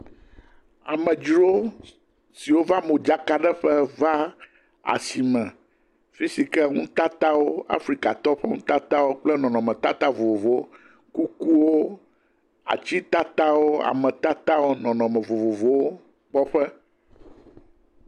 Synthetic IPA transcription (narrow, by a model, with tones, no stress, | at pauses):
a̰˨mɛ̃˨d͡ʒɾo˦ | si˨wo˦va˦mo˨d͡ʒa˦ka˦ɖɛ˦ɸɛ˦va˦ | a̰˨si˨mɛ̃˨ | fi˦si˨kɛ˦ŋũ˦t̪a˦t̪a˦wo˦a̰˦fɾi˦ka˨t̪ɔ˦ɸɛ˦ŋṵ̃˦t̪a˦t̪a˦wo˦k͡plɛ˦nɔ̃˨nɔ̃˨mɛ̃˨t̪a˦t̪a˦vo˨vo˨vo˨o˦ | ku˦ku˦wo˦ | a̰˨t͡ɕi˦t̪a˦t̪a˦wo˦a̰˨mɛ̃˨t̪a˦t̪a˦wo˦nɔ̃˨nɔ̃˨mɛ̃˨vo˨vo˨vo˦wo˦ | k͡pɔ˦ɸɛ˦